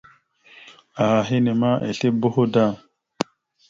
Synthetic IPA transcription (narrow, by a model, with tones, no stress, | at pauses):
a˨ha˨ɦi˦ne˨ma˦ʔḛ˨ɬe˦bo˦ho˦da˦˨